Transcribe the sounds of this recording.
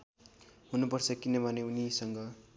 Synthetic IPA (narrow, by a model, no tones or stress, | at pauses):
ɦunupʌrt͡sʰʌkinʌbʱʌneunisʌŋɡʌ